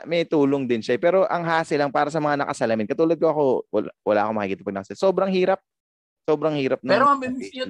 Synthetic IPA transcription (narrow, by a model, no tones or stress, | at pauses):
mɛjt̪uːloŋd̪ɪnʃaɛpɛːɾo̞ʔɐŋɦaːsɪlɐŋpaːɾɐsɐmɐŋanɐ̰kɐ̰sɐlɐmɪnkɐt̪uːlɐd̪̚ko̞ʔɐko̞wwɐ̰la̰ːʔɐko̞mɐkɪkiːt̪ɐpɐɡnɐkɐslsoːbɾɐŋhiːɾɐp̚ | so̞ːbɾɐŋhiːɾɐp̚nɛɾoɐbɪm